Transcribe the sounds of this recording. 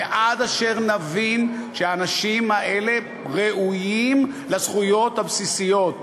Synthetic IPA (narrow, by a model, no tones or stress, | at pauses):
ʔad̪aʃe̞ʁnavinʃeaːnaʃimaʔe̞le̞ | ʁeʔujim | lasχujo̞t̪habsisijo̞t̪